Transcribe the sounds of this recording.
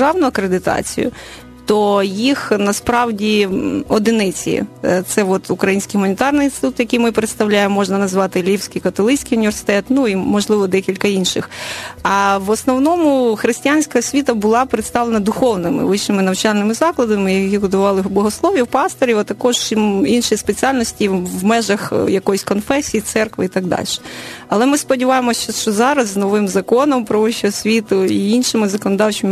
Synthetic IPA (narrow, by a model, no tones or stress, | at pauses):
ɑwnʊɐkɾed̪ɪt̪ɑ̰t͡sʲḭjʊ̰ | t̪ɔjixnɐspɾɑwdʲiɔd̪ɪnɪt͡sʲḭt̪sɛʋɔt̪ʊkɾɐjinʲsʲkijɦʊmɐnʲit̪ɑrnɪjnsɪt̪u̥t̪jɐkʲijmɪpɾet̪st̪ɐwlʲajemmɔʒnɐnɐzʋɑt̪ɪlʲiwsʲkʲijkɐt̪ɔlˠɪt͡ʃʲt͡sʲkʲijʊnʲiʋersɪ̥t̪ɛt̪nuimɔʒlˠɪʋɔd̪ɛkʲilʲkɐinʃɪ̰xɐʋɔsnɔwnɔmʊxɾɪsʲtʲijanʲsʲkɐɦɔsʲʋʲit̪ɐbʊlˠɑpɾɪt̪st̪ɑʋlˠenɐd̪ʊxɔwnɪmɪ̰ʋɪʃnɪmɪnɐwt͡ʃɑlʲnɪmɪzɑklˠɐd̪ɐmɪjɐkʲiɡʊd̪ʊʋɑlˠɪbˠɔɦɔslˠɔʋʲiwpɑst̪ɔɾʲiʋɐt̪ɐkɔʒinʃijispet͡sʲiɑlʲnɔsʲtʲiwmɛʒɐxjɐkɔjisʲkɔnfɛsʲijit̪sɛrkʋɪ̰it̪ɑɡ̚d̪ɑ̰lʲʃɛ̥ɐlˠɛmɪspɔdʲiʋɑjemɔsʲt͡ʃɔʃt͡ʃɔzɑɾɐzːnɔʋɪmzɐkɔnɔmpɾɔʋɪt͡ʃʲɔɦɔsʲʋʲit̪ʊiinʃɪmɪzɐkɔnɔd̪ɑwt͡ʃɪmɪ